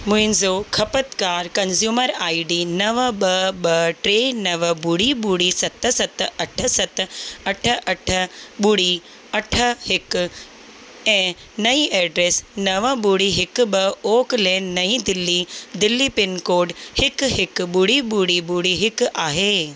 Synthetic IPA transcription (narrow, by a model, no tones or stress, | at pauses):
mʊɪ̃nzoːkʰɐpət̪kaːɾkɐnzjuːməɾaːiɖiːnɐʋəɓɐɓɐʈɾeːnɐʋəbuːɽiːɓuːɽisɐt̪əsɐt̪ɐʈʰəsɐt̪ɐʈʰə̆ʔɐʈʰə̆ɓuɽiː | ɐʈʰəhɪk | ɛ̃ː | nɐiːʔɛːɖɾeːsnɐʋəɓuːɽiɦɪkɓɐoːklɛ̃ːnːɐĩːd̪ɪlːid̪ɪlːiːpɪnkoːɖhɪkɦɪkɓʊɽiɓuːɽibuːɽiɦɪkaːɦeː